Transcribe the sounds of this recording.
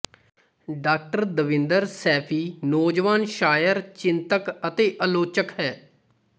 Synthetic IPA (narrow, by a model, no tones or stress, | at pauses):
ɖaːk̚ʈəɾd̪əʋɪnd̪əɾsɛːpʰiːnoːd͡ʒʋaːnʃaːjəɾt͡ʃɪnt̪əkət̪eːʔəloːt͡ʃəkɦɛː